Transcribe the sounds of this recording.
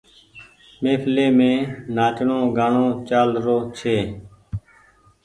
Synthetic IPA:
meːpʰleːmẽːnaːt͡ʃɳõːɡaːɳõːt͡ʃaːlɾoːt͡ʃʰeː

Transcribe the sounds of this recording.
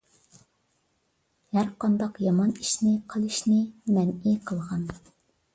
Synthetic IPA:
hæɾqɑnd̪ɑqjɑmɑni̥ʃnɪqʰəlˠɨʃnɪmɛniqʰəlˠʁɑn

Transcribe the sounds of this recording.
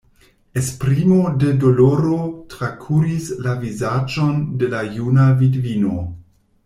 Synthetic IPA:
espɾimode̞doloɾotɾakʰuɾislavizad͡ʒo̞nde̞lajunavidvino̞

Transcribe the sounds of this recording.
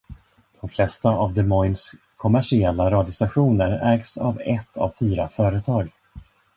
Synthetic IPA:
d̪̥ɔmflɛst̪aʔavd̪ɛmɔjns | kʰɔmæʂɪɛlːaɾɑːd̪jɔst̪aɧuːnəɾɛːɡsa̰vɛt̪ʰːa̰vfyːɾafœːɾət̪ʰɑːɡ

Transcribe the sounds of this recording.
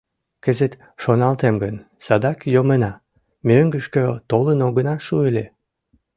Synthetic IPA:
kəzət̪ | ʃonɑlt̪emɡən | sɑd̪ɑkjomənɑ | møŋɡəʃkøt̪olənoɣənɑʃuelʲe

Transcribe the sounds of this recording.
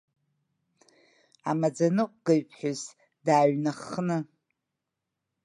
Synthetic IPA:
a̰mad͡zanɨqʷʼɡɨɥpʰʼħʊz | daːɥnaχnɨ

